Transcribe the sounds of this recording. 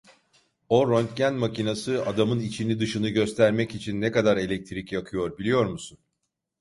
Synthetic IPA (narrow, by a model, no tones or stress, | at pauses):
o̞ɾont̪ɟænmacʰinasɯad̪amɯnit͡ʃʰinid̪ɯʃɯnɯɟø̞st̪ʰæɾmɛcit͡ʃʰinːɛkad̪aɾe̞lʲɛc̚t̪ʰiɾicjakʰɯjo̞ɾbilʲijo̞ɾmusun